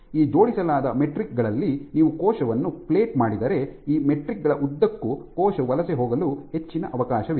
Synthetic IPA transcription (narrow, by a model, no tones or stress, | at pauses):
iːd͡ʒo̞ːɽisɐlaːd̪ɐme̞ʈɾik̚ɡɐɭɐlːiniːʋukɔːʃɐʋɐnːuple̞ːʈ̚maːɽid̪ɐɾe̞iːme̞ʈɾikɡɐɭɐʔud̪ːɐkːukɔːʃɐʋɐlɐseɦoːɡɐluɦe̞t͡ʃːinɐ̰ʔɐʋɐkaːʃɐʋ